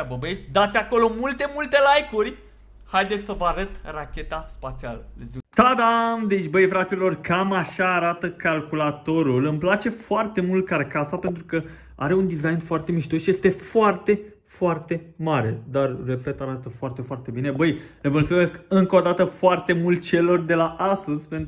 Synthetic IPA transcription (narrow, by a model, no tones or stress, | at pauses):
bəbet̪sʲd̪at̪sʲako̞lo̞mult̪e̞mult̪e̞lajkurʲ | hajd̪esʲsəvəaɾət̪rakʲe̞t̪aspat̪sialəet̪ad̪amd̪et͡ʃʲbəjfɾat̪sillo̞rkamaʃaːɾat̪əkalkulat̪o̞ɾulɨmplat͡ʃe̞foart̪e̞mult̪̚kaɾrkasape̞nt̪ɾukə | a̰ɾe̞und̪izajnfoart̪e̞miʃt̪o̞sʃije̞st̪e̞foart̪e̞ | foart̪e̞ | maɾe̞d̪arre̞pe̞t̪aɾat̪əfoart̪e̞foart̪e̞bine̞bəjlevəlt̪ume̞skɨŋko̞d̪at̪əfoart̪e̞mult̪̚t͡ʃe̞lo̞rd̪e̞laʔast̪əz̥pen